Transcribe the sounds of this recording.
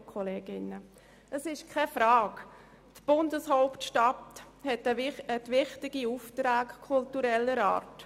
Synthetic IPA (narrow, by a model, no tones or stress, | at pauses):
kʰɔleːɡɪnə | əsɪʃkʰɛfɾaːk | tb̥ʊndəshoʊptʃtat | hɛtəɛtʋɪχtɪɡ̥iuftɾaːkkʰʊltuɾɛlːəɾa̰ːɾt